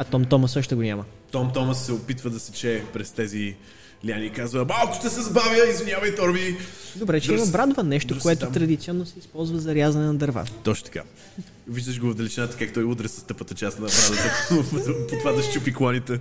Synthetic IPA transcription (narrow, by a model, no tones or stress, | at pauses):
ɐt̪ɔmt̪ɔməsɤʃt̪ɛɡonʲamə | t̪ɔmt̪ɔməsːɛopit̪vəd̪ɐsɛ̥t͡ʃɛːpɾɛst̪ɛzi | lʲianiːkazvəmalˠkʊ̥ʃt̪ɛsɛzbavʲjəizvinʲjavɐjt̪ɔɾmid̪obɾɛt͡ʃɛinɐbɾad̪vənɛʃt̪okoɛt̪ot̪ɾɐd̪it̪siɔnːosɛispɔlˠzvɐzɐɾʲjazɐnɛnɐd̪ɐɾva̰t̪ɔt͡ʃno̥t̪ɐ̥ka̰ | viʒd̪əʃ̬ɡovvd̪ɐlʲit͡ʃinat̪ə̥kakt̪ɔjud̪ɾɛsɐst̪ɤpət̪ɐt͡ʃasnɐbɾad̪ət̪əp̪pot̪ovad̪ɐʃt͡ʃupiklˠɔnit̪ɛ